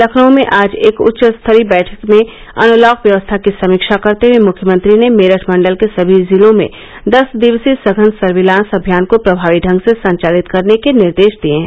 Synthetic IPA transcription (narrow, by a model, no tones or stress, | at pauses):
lɐkʰnõmẽʔaːd͡ʒeːkʊ̰tːʃəst̪ʰəɾibɛːʈʰəkmẽ | ɐ̰nʊlɔːkʋjɐʋəst̪ʰakisɐmiːkʃakɐɾt̪ewẽmʊkʰjəmə̃nt̪ɾinemeːɾəʈʰmɐ̃ɳɖəlkesɐbʱizɪlõmḛ̃ | d̪ɐsd̪ɪʋsisɐɡʱənsɐɾʋɪlãːnsɐbʱijaːnkopɾɐbʱaːʋiɖʱə̃ŋɡsesɐ̃ɲt͡ʃaːlɪt̪kɐɾnekenɪɾd̪eːʃd̪ieɦɛ̃